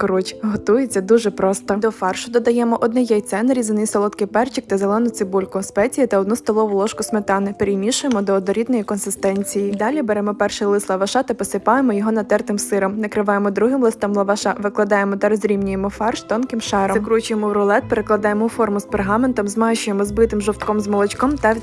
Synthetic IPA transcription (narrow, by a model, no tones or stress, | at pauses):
kɔɾɔt͡ʃʲɦɔt̪ujet͡sʲːɐd̪uʒɛpɾɔst̪ɔd̪ɔfɑrʃʊd̪ɔd̪ɐjɛmɔʔɔd̪nɛjɛjt̪sɛnɾʲizɪnɪjsɔlˠɔt̪kɪpɛrt͡ʃik̚t̪ɐzelˠɛnʊt̪sɪbulʲkʊspɛt͡sʲijɐt̪ɐɔd̪nust̪ɔlˠɔʋʊlˠɔʃkʊsmet̪ɑnɪpeɾʲimʲiʃʊjemɔd̪ɔːd̪ɔɾʲid̪nɔjikɔnsɪst̪ɛnʲt͡sʲijid̪ɑlʲibɛɾɛmɔpɛrʃɛjlˠɪslˠɐʋɐʃɑt̪ɐpɔsɪpɑjemɔjɔɦɔnɐt̪ɛrt̪ɪmsɪɾɔmnɐkɾɪʋɑjemɔd̪ɾuɦɪmlˠɪst̪ɔmlˠɐʋɐʃɑʋɪklˠɐd̪ɑjemɔt̪ɐɾɔzʲɾʲimnʲʊjemɔfɑrʃt̪ɔnkɪmʃɛɾɔkɾut͡ʃʊjemɔwɾɔlˠɛt̪̚peɾɪklˠɐd̪ɑjemɔʊfɔrmʊsperɦɑment̪ɔmzmɑʃʊjemɔzbɪt̪ɪmʒɔwt̪kɔmzmɔlˠɔt͡ʃkɔmt̪ɐ